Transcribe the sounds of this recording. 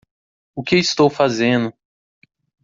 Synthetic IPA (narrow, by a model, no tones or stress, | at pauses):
ʊkɪɪst̪owfazẽd̪ʊ